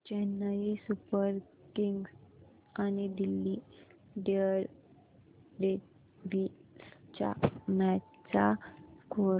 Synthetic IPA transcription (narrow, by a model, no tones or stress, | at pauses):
t͡ɕɛnːaɦisupəɾ | kiŋɡs | aniɖilːi | ɖeəɾ | ɖe | bist͡ɕa̰ma | t͡sakʰo